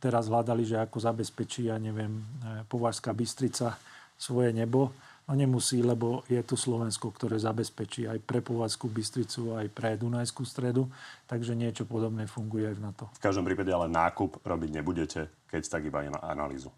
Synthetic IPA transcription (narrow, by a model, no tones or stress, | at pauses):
t̪ɛɾazɦlad̪aliʒɛakɔzabɛspɛt͡ʃiːaɲɛʋɪɛmpɔʋaɾskaːbist̪ɾit͡sa | sʋɔjɛɲɛbɔ | nɔɲɛmusiːlɛbɔjɛt̪uslɔʋɛnskɔkt̪ɔɾɛːzabɛspɛt͡ʃiːajpɾɛpɔʋaɾskubist̪ɾit͡suajpɾɛd̪unajskust̪ɾɛd̪ut̪aɡʒɛɲɪɛt͡ʃɔpɔd̪ɔbnɛːfuŋɡujɛajvnat̪ɔfkaʒd̪ɔmpɾiːpaɟɛalɛnːaːkupɾɔbiɟɲɛbuɟɛcɛ | kɛct̪aɡibaɛ̰n̰a̰na̰lḭːzu